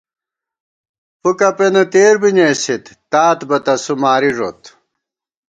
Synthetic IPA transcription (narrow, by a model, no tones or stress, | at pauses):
pukɐpenɐt̪eːɾbiɲeːsit̪ːaːt̪bɐt̪ɐsumaːɾiʐo̰t̪